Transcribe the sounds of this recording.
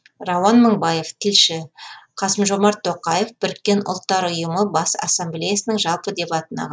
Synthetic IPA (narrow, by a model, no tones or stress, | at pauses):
rɑwɑnməɴbɑje̞ft̪ʲʰɪlʃɪqʰɑsəmʒo̞mɑɾt̪ʰːo̞qɑje̞fb̥ʏɾt̪̚kʲːe̞nʊ̰lˠt̪ːɑɾʊjəməbɑsɑ̰sːemblʲejasənəŋʒɑlˠpəd̪e̞pɑt̪ənɑ̰ʁɑ